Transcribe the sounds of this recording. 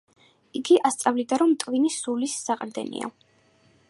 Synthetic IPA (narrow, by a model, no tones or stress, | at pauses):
iɡiʔast̪sʼavlid̪aɾɔmt̪ʼvinisulisːaqʼɾd̪ɛ̰nḭa̰